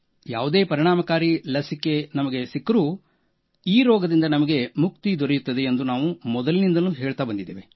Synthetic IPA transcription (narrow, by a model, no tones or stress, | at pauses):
jaːʋud̪eːpɐɾiɳ̃aːmɐkaːɾilɐsikːe̞nɐmɐɡe̞sikːɾu | iːɾɔːɡɐd̪ind̪ɐnɐmɐɡe̞muk̚t̪id̪ʱɔɾejut̪ːɐd̪e̞ːnd̪unaːʋumɔd̪ɐlinind̪ɐnuːɦe̞ːɭt̪aːbɐnd̪id̪ːeːʋe